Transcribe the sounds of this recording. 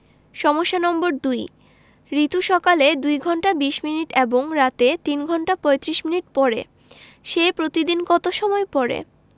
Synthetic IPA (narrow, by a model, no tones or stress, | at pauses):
ʃɔmoʃːanɔmboɾd̪uj | ɾit̪uʃɔkaled̪ujɡʱɔɳʈabiʃminiʈeboŋɾat̪et̪inɡʱɔɳʈapɔet̪ɾiʃminiʈ̚pɔɾḛ | ʃejpɾot̪id̪inkɔt̪oʃɔmɔepɔɾḛ